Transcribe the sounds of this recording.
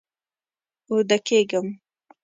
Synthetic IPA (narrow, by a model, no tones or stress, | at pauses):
uɾd̪akeɡəm